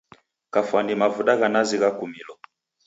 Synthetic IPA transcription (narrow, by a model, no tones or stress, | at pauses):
kafanimavuɗaɣanaziɣakumilɔ